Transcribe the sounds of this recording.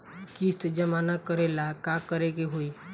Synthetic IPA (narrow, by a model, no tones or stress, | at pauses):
kist̪d͡ʒəmanakəɾelakakəɾeɡeɦoi